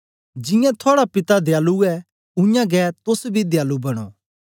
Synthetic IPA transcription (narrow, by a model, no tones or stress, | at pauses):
d͡ʒɪ̃jɛ̃t̪ʰaːɽapɪt̪ad̪ɪjaːluɛ | ʊ̃jãɡɛt̪ʊsbʱid̪jaːlubɐɽ̃o̰